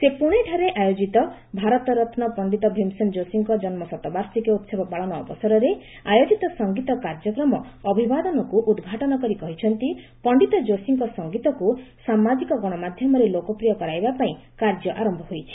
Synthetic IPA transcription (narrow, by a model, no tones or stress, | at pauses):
sepuɽ̃eʈʰaɾeʔajod͡ʒit̪ɔ | bʱaɾɔt̪ɔɾɔt̪ʰnɔpɔɳɖit̪ɔbʱimsɔnd͡ʒosiŋkɔd͡ʒɔnmɔsɔt̪ɔbaɾsikɔut̪sebɔpaɭɔnɔːbɔsɔɾɔɾe | ajod͡ʒit̪ɔsɔŋɡit̪ɔkaɾd͡ʒɔkɾɔmɔːbʱibad̪ɔnɔkuʔud̪ɡʱaʈɔnɔkɔɾikɔɦit͡ʃʰɔnt̪i | pɔɳɖit̪ɔd͡ʒosiŋkɔsɔŋɡit̪ɔkusamad͡ʒikɔɡɔɽ̃ɔmad̪ʱjɔmɔɾelokɔpɾijɔkɔɾajbapaĩ | kaɾd͡ʒjɔʔaɾɔmbʱɔɦojt͡ʃʰi̥